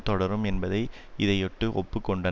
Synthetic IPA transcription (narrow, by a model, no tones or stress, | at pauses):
t̪ɔɽɐɾɯmɛnbɐðɐɪ | ɪðɐjɔʈːɯʔɔ̰pːɯkːɔɳɖɐ